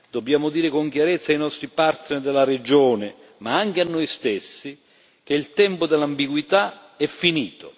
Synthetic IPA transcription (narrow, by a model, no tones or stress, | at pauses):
d̪̥objaːmʊd̪iːɾɪkoŋk̟jaɾɛt̪sːajnɔst̪ɾipart̪nerd̪elːaɾed͡ʒoːnɪ | maaŋk̟eanːojst̪esːi | k̟eilt̪ɛmpʊd̪elːambiɡwit̪a | ɛfːiniːt̪o